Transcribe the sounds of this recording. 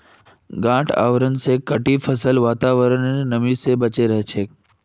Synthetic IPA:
ɡãːʈʰa̰ʋɾənsekəʈipʰəsəlʋaːt̪aʋəɾəneːəmisebət͡ʃeɾəɦet͡ʃʰe

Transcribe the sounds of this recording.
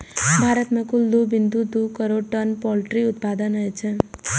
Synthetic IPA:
bʱaːɾət̪mẽkʊld̪obɪnd̪ud̪ukəɾoɖʈənpɔlʈɾiʊt̪pad̪ənɦəet͡ʃʰe

